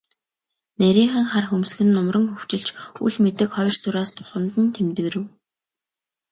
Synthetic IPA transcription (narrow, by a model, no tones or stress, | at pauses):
næɾʲiːɴχə̆ŋχarxɵmsɡɘ̆nːʊmrə̆ŋxɵw̥t͡ɕɪ̆ɮt͡ɕṵɮmet̪ɘ̆kχɔjrt͡sʊɾaːst̪ʰʊ̥χə̆nt̪ɘ̆nt̪ʰemt̪ɘ̆ɣɾɘ̆w